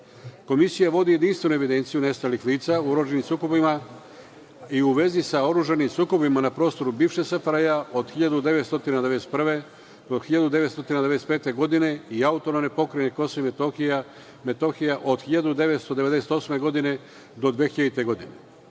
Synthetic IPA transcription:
ko̞misijaʋo̞d̪ije̞d̪inst̪ʋe̞nue̞ʋid̪e̞nt̪sijune̞st̪alixliːt̪sauoɾuʒanimsuːko̞bima | iuʋe̞zisao̞ɾuʒanimsuːko̞bimanapɾo̞ːst̪o̞ɾubiːʋʃesafɾajaod̪xiʎad̪ud̪e̞ʋet̪st̪o̞t̪inad̪eeest̪pr̩ʋe | oxiʎad̪ud̪e̞ʋet̪st̪o̞t̪inad̪eeespeːt̪e̞ɡo̞d̪ine̞iaut̪o̞nomne̞po̞kɾajneko̞soimet̪oxia | met̪oxijaʔod̪xiʎad̪ud̪e̞ʋet̪st̪o̞d̪e̞ʋe̞d̪e̞set̪osme̞ɡo̞d̪ine̞ | d̪o̞d̪ʋexiʎad̪it̪e̞ɡo̞d̪ine

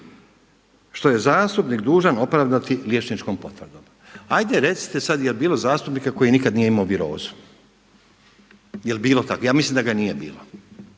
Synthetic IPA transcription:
ʃt̪o̞je̞zaːst̪upnikd̪uːʒano̞pɾaʋd̪at̪iljet͡ʃnit͡ʃkompo̞t̪ʋəɾ̩d̪om | ajd̪eɾe̞t̪si̥t̪e̞sad̪jelbiːlˠo̞zaːst̪upnikako̞jinikad̪nije̞imaoʋiɾo̞̰ːzu̥ | jelbiːlˠo̞t̪akojaːmislimd̪aɡanije̞bḭːlo

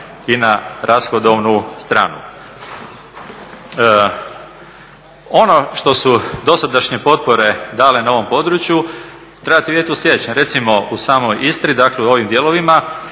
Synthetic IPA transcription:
inaɾʔasxod̪oʋnust̪ɾa̰ːnṵ | o̞no̞ʃt̪o̞sud̪o̞sad̪aʃɲe̞po̞t̪̚po̞ɾe̞d̪aːlenaoʋo̞mpo̞d̪ɾut͡ʃju | t̪ɾebat̪iʋjet̪uslʲjed̪t͡ɕenɾe̞t̪simo̞ʔusaːmo̞jist̪ɾid̪akleuo̞ʋimd̪jeːlo̞ʋima

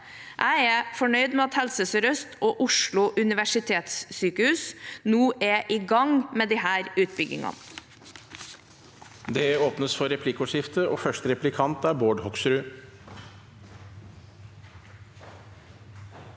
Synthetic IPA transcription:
ʔæɪɛːfɔɳœʏd̪mɛːɑt̪hɛlsəsɾœst̪ʰoːʔʊʂɭʊʔʉnɪʋæʂɪt̪ʰeːt̪ssyːkəhʉːsnuːʔeːʔiːɡɑŋmeːd̪ɪhæːɾʉːt̪̚bʏɡɪ̰ŋɑ̰n | d̪ɛoːpnəsfɔɾɛpʰlɪkʊʂɪft̪əoːfœʂʈəɾɛplɪkʰɑnt̪æːɾboːɖhɔksɾʉː

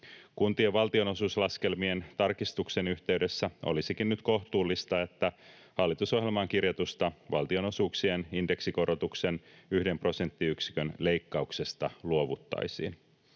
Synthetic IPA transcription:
kunt̪ieʋɑlt̪io̞no̞suːslɑske̞lmie̞nt̪ɑrkist̪ukse̞nyçt̪e̞ɥde̞sːæo̞̰lisikinnyt̪ko̞ht̪uːlːist̪ɑe̞t̪ːæ | hɑlːit̪uso̞hɦjelmɑŋk̟irjɑt̪ust̪ɑʋɑlt̪io̞no̞suːksieninde̞ksiko̞ɾo̞t̪ukse̞nyhde̞mpro̞se̞nt̪ːiyksi̥kønle̞ijkːɑukse̞st̪ɑluo̞ʋut̪ːɑ̰jsḭːn

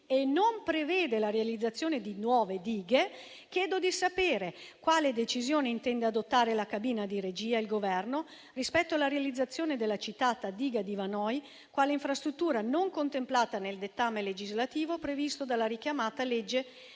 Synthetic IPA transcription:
enompɾevɛːd̪elaɾealid̪zːat̪sːjoːned̪inwɔːved̪iːɡe | kjɛːd̪od̪isapeːɾekwaːled̪et͡ʃizjoːneint̪ɛnd̪ead̪ot̪ːaːɾelakabiːnad̪iɾed͡ʒiːailɡovɛrno | rispɛt̪ːoalːaɾealid̪zːat̪sːjoːned̪elːat͡ʃit̪aːt̪ad̪iːɡad̪ivanɔj | kwaːleiɱfɾast̪ɾut̪ːuːɾanoŋkont̪emplaːt̪aneld̪et̪ːamːeled͡ʒizlat̪iːvopɾevist̪od̪alːaɾikjamaːt̪aled͡ʒːe

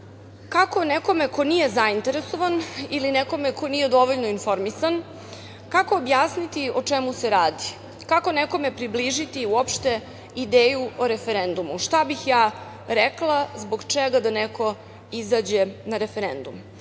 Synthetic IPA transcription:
kako̞neko̞mekonije̞zaint̪e̞ɾeso̞ʋanilinɛko̞mekʰo̞nije̞d̪o̞ʋoʎnoinfo̞ɾmisan | kakoːbjaːsnit̪iot͡ʃemuseɾaːd̪i | kako̞neko̞me̞pɾibliʒit̪iuopʃt̪e | id̪eːjuoɾefeɾend̪umuʃt̪abixjaː | ɾɛklˠazboɡt͡ʃeɡad̪aneko̞ | izaːd͡ʑenaɾefeɾend̪um

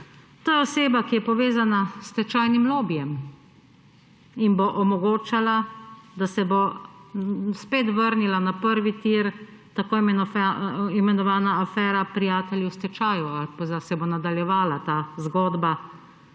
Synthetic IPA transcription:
t̪ojɛɔseːbakijɛpɔʋeːzanast̪ɛt͡ʃaːjnimloːbijɛm | inboʔɔmɔɡoːt͡ʃalad̪asɛbo | speːt̪ʋəɾnilanapəɾʋit̪iɾ | t̪akoːi | imɛnɔʋaːnaːfɛːɾapɾijaːt̪ɛljiwst̪ɛt͡ʃaːjuapzasɛbonad̪aljɛʋaːlat̪aːzɡɔːd̪ba

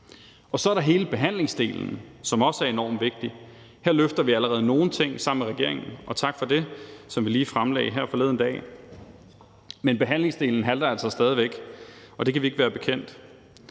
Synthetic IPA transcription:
ʔɒ̽sɒ̽æɐɾɑ̈ɦe̝ːləb̥e̝ɦæn̰le̝ŋsd̥e̝̰ːln̩sɒ̽mɒ̽səæɐe̝nɒ̰ːmʋe̝ɡ̥̚d̥i | heɐ̰løfd̥ɐʋiæləʁɛːð̞ˠəno̝ːn̩t͡sʰe̝ŋ̰sɑ̈m̰meʁɛɡ̥e̝ɐ̰eŋn̩ʔɒ̽t͡sʰɑ̈ɡ̥fɒ̽d̥e̝sɒ̽mʋiliːfʁamlɛ̰ːɪɦæɐ̰fɒ̽le̝ðˠən̩d̥ɛ̰ː | menb̥e̝ɦæn̰le̝ŋsd̥e̝ːln̩ɦæld̥ɐælsɒ̽sd̥ɛːð̞ˠiʋeɡ̥ʔɒ̽d̥e̝kʰæʋie̝ɡ̥ʋæːɐb̥e̝kʰen̰d̥

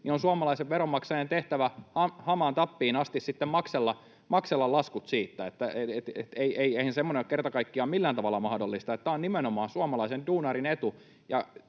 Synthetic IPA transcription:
nionsuɑmɑlɑiseʋʋeɾomːɑksɑjent̪eht̪æʋæhɑhɑmɑnt̪ɑpːiːnɑst̪issit̪ːemmɑkselːɑ | mɑkselːɑlɑskut̪siːt̪ːæet̪ːæeet̪ḛt̪eieieihænsemːoneokert̪ɑkɑikːiɑmilːænt̪ɑʋɑlːɑmɑhdolːist̪ɑet̪ːæonnimenomɑːnsuɑmɑlɑisenduːnɑrinet̪u | jɑ

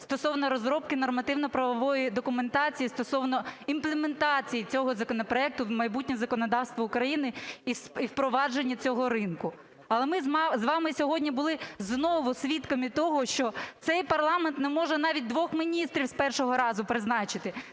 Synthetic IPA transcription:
st̪ɔsɔwnɔɾɔzɾɔp̚kɪnɔrmɐt̪ɪwnɔpɾɐʋɔʋɔjid̪ɔkʊment̪ɑt͡sʲijist̪ɔsɔwnɔimplˠement̪ɑt͡sʲijit͡sʲɔɦɔzɐkɔnɔpɾɔɛk̚t̪ʊmɐjbutʲnʲɛzɐkɔnɔd̪ɑwst̪ʋɐʊkɾɐjinɪisiwpɾɔʋɑd͡ʒenʲːɐt͡sʲɔɦɔɾɪnkʊ | ɐlˠɛmɪzʋɑmɪsʲɔɦɔdʲnʲibʊlˠɪznɔʋʊsʲʋʲit̪kɔmit̪ɔɦɔʃt͡ʃɔt̪sɛjpɐrlˠɑment̪nɛmɔʒɛnɑʋʲit̚ʲd̪ʋɔxmʲinʲist̪ɾʲiwspɛrʃɔɦɔɾɑzʊpɾɪznɑt͡ʃɪt̪ɪ

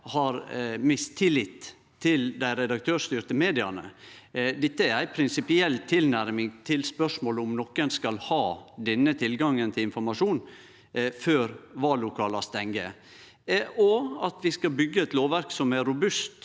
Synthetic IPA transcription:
hɑɾmɪst̪ʰɪlːɪt̪ʰː | ɪld̪æɪɾɛd̪ɑk̚t̪ʰøːʂt̪yɾt̪əmeːd̪ɪɑnə̰ | d̪ɛt̪ːəæɾæɪpʰɾɪnsɪpɪɛlt̪ʰːɪlnæɾmɪŋt̪ʰɪlspœʂmoːləɔmnɔkːɛnskɑlhɑːd̪ɛnːət̪ʰɪlɡɑŋːənt̪ʰɪlɪnfɔɾmɑʂuːn | føːɾʋɑlʊkʰɑːlɑst̪ɛŋɡə | ɔɑt̪ʋɪskɑlbʏɡːəɛt̪loːʋæɾksɔmæːʊbʉst̪

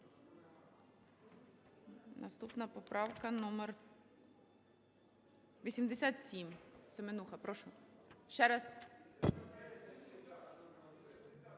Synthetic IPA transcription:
nɐ̰st̪upnɐpɔpɾɑwkɐnɔmer | ʋʲisʲimd̪esʲat̪sʲimsemenuxɐpɾɔʃʊʃt͡ʃɛɾɑs

